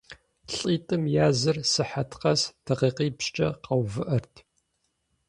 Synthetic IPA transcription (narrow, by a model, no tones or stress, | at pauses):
ɬʼiːtʼɨmjaːzɨrsɨħatʰqɐstʰɐqiːqiːpʃt͡ʃʼɐ̰qɐwvɨʔɐrtʰ